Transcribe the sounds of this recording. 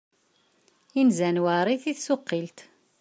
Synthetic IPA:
inzænwaɾˤiθiθsʊqːilt̪

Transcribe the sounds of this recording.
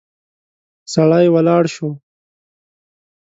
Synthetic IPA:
saɽajwɐlɑːɽʃo

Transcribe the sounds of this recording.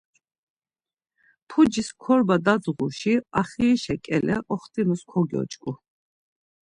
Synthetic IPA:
pʰud͡ʒiskʰɔɾbad̪ad̪zʁuʃiaχiːʃɛkʼɛlɛ̰ʔɔχt̪ʼimuskʰɔɡiɔ̰t͡ʃʼkʼu

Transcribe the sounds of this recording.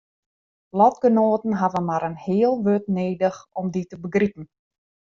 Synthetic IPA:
lɔtɡ̥ənoːətən̩ɦavənmaɾənhɪːəlˠʋøtneːdəxɔmditəbəɡripən̩

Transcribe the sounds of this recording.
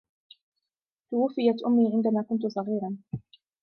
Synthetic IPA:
t̪ʊwʊfːɪjat̪ʔʊmːiːʕɪnd̪amaːkʊnt̪̬ʊsˤɑɣiːɾɑn

